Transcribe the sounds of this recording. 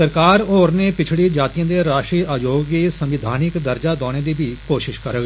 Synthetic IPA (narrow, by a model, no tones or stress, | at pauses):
səɾkaːɾoːɾneːpɪt͡ʃʰɽiːd͡ʒaːt̪ijãːd̪eːɾaːʃɾiːʔaːd͡ʒoːɡiːsəmʋɪd̪ʱaːnɪkd̪əɾd͡ʒaːd̪ɔːɽ̃eːd̪iːbiːkoːʃɪʃkəɾəɡ